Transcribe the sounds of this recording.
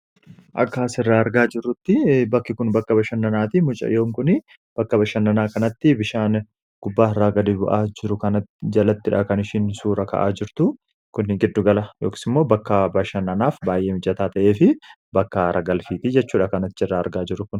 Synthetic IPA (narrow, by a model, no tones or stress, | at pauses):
ʔɐ̰kːaːsɪrːaːɐɾɡaːd͡ʒɪrːʊt̪ːɪbɐkːɪkʊnbɐkːɐbɐʃɐnːɐnaːt̪ɪmʊt͡ʃʼɐ̰joːŋkʊnɪ | b̥ɐkːɐbɐʃɐnːɐnaːkɐnɐt̪ːɪbɪʃaːn | ɡ̥ʊbːaːɪrːaːɡɐd̪ɪbʊʔaːd͡ʒɪɾʊkɐnɐt̪d͡ʒɐlɐt̪ːɪᶑɐ̰kɐnɪʃɪnsuːɾɐkɐ̰ʔa̰ːd͡ʒɪɾt̪ʊ | kʊnːɪɡɪd̪ːʊɡɐlɐjoːkɪ̥sɪmːo̞ːbɐkːɐbɐʃɐnːɐnaːfbaːjʔeːmʊd͡ʒʼɐt̪aːt̪ɐʔe̞ːfɪ | bɐkːɐɾɐɡɐlfiːt̪id͡ʒɛt͡ʃːuːᶑɐkɐnɐt̪ːɪrːaːɐɾɡaːd͡ʒɪɾʊkʊn